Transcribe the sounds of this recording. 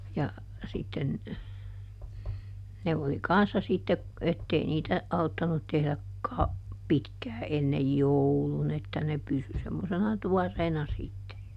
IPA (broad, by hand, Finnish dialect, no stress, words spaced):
jɑ sitːen ne oli kɑnsːɑ sitːe etːei niːtæ ɑutːɑnut tehlæ kɑu pitkæː enːej joulun etːæ ne pysy semːosenɑ tuɔrːeːnɑ sitːe